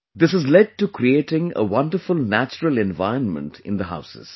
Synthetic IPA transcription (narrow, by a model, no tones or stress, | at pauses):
d̪ɪsəzlɛɖ̚ʈukɾieːʈɪ̃ŋə̰ʋʌ̃nɖəɾfʊlnæt͡ʃəɾəlɛ̃nʋa̰ɪɾə̃nmə̰̃ɳʈɪ̰̃nd̪əɦa̰ʊsɪ̰z̥